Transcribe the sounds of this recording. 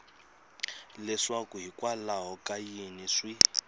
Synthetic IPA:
lɛʂakuɦikwalaɦɔkʼajiniʂwi

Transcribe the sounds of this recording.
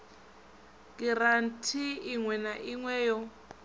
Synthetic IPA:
k̬ʼirantʰiːŋwɛnaʔiŋwɛːjɔ

